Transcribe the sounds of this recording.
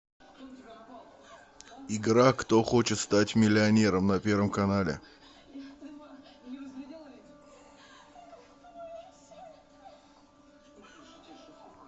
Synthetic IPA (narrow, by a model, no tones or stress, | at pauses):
ɪɡɾakt̪o̞xo̞t͡ɕɪt̪st̪atʲmʲɪlʲɪɐnʲe̞ɾəmnɐpʲe̞ɾvəmkɐnalʲɪ̰